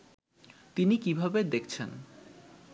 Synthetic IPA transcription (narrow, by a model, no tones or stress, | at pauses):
t̪inikibʱabed̪ekʰt͡ɕʰen